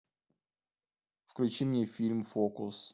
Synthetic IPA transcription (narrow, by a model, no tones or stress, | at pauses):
fklʲʉt͡ɕimnʲefʲilʲmfokʊs